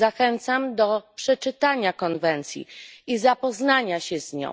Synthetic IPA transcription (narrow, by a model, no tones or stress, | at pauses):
axɛnt̪samd̪ɔpʂɛt͡ʂɘt̪aɲakɔnvɛnt̪sʲjḭizapɔznaɲaɕɛzɲɔ̰̃w